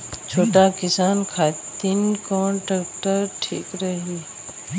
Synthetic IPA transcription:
t͡ʃʰoːʈaːkɪsaːnkʰaːt̪inkɔ̃ːɳʈəkʈəɾʈʰiːkɾəɦiː

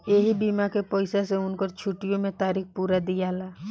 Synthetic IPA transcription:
jeːɦibiːmakepɔːɪsaseʊnkoɾt͡ʃʰuʈijõmẽt̪aːɾiːx̚puːɾad̪ijaːlaː

